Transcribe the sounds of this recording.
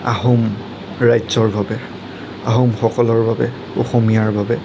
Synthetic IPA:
a̰ɦum | ɹajzɔɹbabɛ | a̰ɦomxɔkɔlɔɹbabɛ | oxomijaɹbabɛ

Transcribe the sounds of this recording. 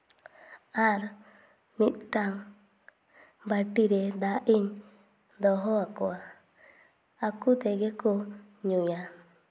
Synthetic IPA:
aɾ | nit̪̚t̪aŋ | baʈiɾed̪aʔiɲ | d̪ɔɦɔakoa | kut̪ɛɡekoɲuja

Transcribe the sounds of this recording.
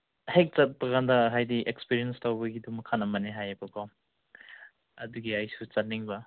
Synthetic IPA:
hek̚t͡ʃɐt̚pɐkʰandɐɦajdiʔekspiɾiɐnstawbɐɡidumɐkʰːanɐmɐneɦajɐbɐkʰo | ɐduɡiajsut͡ʃɐt̚niŋbɐ

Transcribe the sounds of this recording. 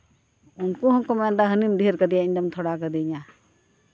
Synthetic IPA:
ʊnkoɦɔkəmɛ̃nd̪aɦənimd̪ʱiɾkəd̪ijaiɲdəmt̪ʰoɽakəd̪iɲa

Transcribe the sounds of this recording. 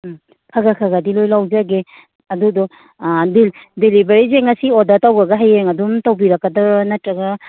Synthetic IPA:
kʰaɡakʰaɡadilojlawzaɡe | ɐdudɔ | dildelibaɾizeŋasiɔdatawɡaɡaɦajeŋɐdumtawbiɾɐkːadanɐtɾɐɡa

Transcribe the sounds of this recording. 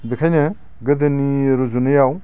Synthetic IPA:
bikʰajnɯ | ɡɯd̪ɯniɾuzunɯjaw

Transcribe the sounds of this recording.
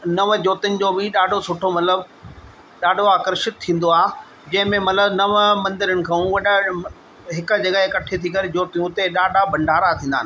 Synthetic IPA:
nɐʋd͡ʑoːt̪ənɪ̆d͡ʑoːbɪɗaːɖʱosʊʈʰomɐt̪ləb | ɗaːɖʱoaːkəɾʃɪt̪̚tʰːĩːn̆d̪oaːɦ | d͡ʑɐ̃ɦɪ̃mẽmɐt̪ləbnɐʋmɐ̃nd̪ɪɾənɪ̆kʰãːũʋɐɗə | ɦɪkʊ̆d͡ʑɐɡaɦekɐʈʰet̪ʰikɐɾed͡ʑoːt̪ijũt̪eɗaːɖʱabʱɐ̃ɳɖʱaːɾat̪ʰĩːnd̪aːnɪ̆

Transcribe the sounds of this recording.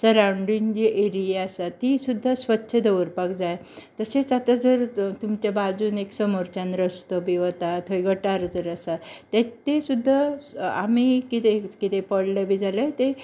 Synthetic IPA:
səɾawɳɖind͡ʑiʔeɾijeasat̪isud̪ʱːasʋətːɕʰəd̪əʋəɾpakd͡zaj | t̪əset͡sat̪ad͡zəɾt̪umt͡ɕabad͡zuːneksəmoɾt͡ɕanɾəst̪obiʋət̪at̪ʰəjɡəʈaɾd͡zəɾəsat̪ɛt̪esud̪ʱːaa̰mikit̪ekit̪epəɽləbid͡zaləjt̪e

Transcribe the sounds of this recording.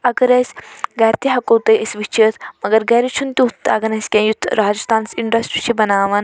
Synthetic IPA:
ɐɡɐɾɐsʲɡɐːɾt̪iɦɐkoːt̪ɐjʔisʋit͡ʃʰit̪ʰmɐɡɐɾɡɐːɾit͡ʃʰunt̪ʲiut̪ʰːɐ̰ɡɐnɐsʲkʲẽːjut̪ʰɾaːd͡ʒist̪aːnsiɳɖɐsʈɾit͡ʃʰibɐnaːʋɐn

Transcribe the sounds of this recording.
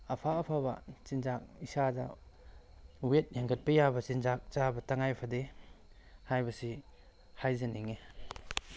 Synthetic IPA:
ɐpʰaːpʰabɐ̰t͡ʃinzak̚isadɐ̰ | wet̚jaŋɡʰɐt̚pɐjabɐt͡ʃinzak̚t͡ʃabɐtaŋajpʰɐde | hajbɐsi | hajzeniŋe

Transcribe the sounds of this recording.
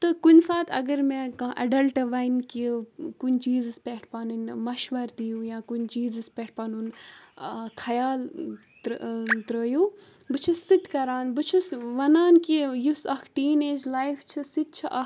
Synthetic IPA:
t̪ɨkunsaːt̪ʰɐ̰ɡəɾmẽkɐ̃ʔɐɖɐlʈʋɐjnkikunt͡ʃiːzɨspeːʈʰpaːnunmɐʃʋɐɾt̪ijũːjaːkunt͡ʃiːzɨspʲeːʈ̚ʰpaːnun | kʰɐjaːl | t̪ɾəːjuː | bɨt͡ʃʰusit̪kɐɾaːnbɨt͡ʃʰusʋɐnaːnkijusɐkʰʈiːneːd͡ʒlaːjft͡ʃʰisit̪̚t͡ʃʰiʔɐ

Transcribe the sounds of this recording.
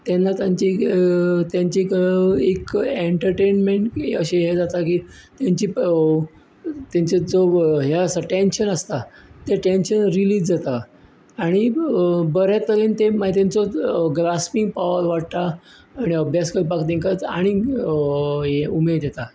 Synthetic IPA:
t̪ɛnːat̪jaɲt͡ɕi | t̪jaɲt͡ɕiekeɳʈəɾʈenmeɳʈəɕeɦed͡zat̪akiːt̪jaɲt͡ɕiː | t̪jaɲt͡sed͡zoɦeəsaʈenɕənəst̪at̪eʈenɕənɾiliːd͡zd͡zat̪aː | ɽ̃ibəɾjat̪əɾiːnt̪emaɦit̪ent͡sɔɡɾaspiŋɡ̚paʋəɾʋaɽt̪aː | ɽ̃iəbʱjaskəɾpakt̪ẽŋkat̪aɽ̃i | ɦeumed̪d̪jet̪a

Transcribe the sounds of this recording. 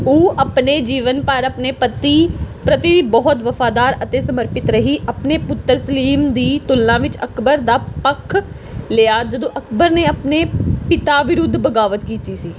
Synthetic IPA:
oːʔəpneːd͡ʒiːʋənpəɾəpneːpət̪iːpɾət̪ibɔːɔt̪ʋəfaːd̪aːɾət̪eːsəməɾpɪt̪ɾəɦiːʔəpneːpʊt̪ːəɾsəliːmd̪iːt̪ʊlnãːʋɪt͡ʃəkbəɾd̪aːpəkʰː | lɪːaːd͡ʒəd̪õːʔəkbəɾneːəpneːpɪt̪aːʋɪɾʊd̪ʱːbəɡaːʋət̪kiːt̪iːsiː

